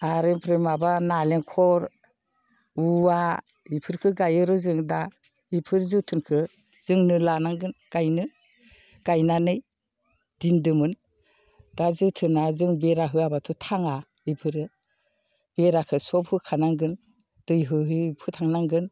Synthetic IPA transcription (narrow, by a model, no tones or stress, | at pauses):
aɾɯmpʰɾemabanaleŋkʰɔɾ | ua | ipʰɯɾkʰɯɡajɯɾɯzɯŋda | ipʰɯɾzɯtʰɯnkʰɯ | z̥ɯŋnɯlanaŋɡɯnɡ̥ajnɯ | ɡ̥ajnanɯj | d̥indɯmɯn | d̥azɯtʰɯnazɯŋbeɾaɦɯabatʰutʰaŋa | ipʰɯɾɯ | b̥eɾakʰɯsɔphɯkʰanaŋɡɯn | d̥ɯjɦɯɦɯpʰɯtʰaŋnaŋɡɯn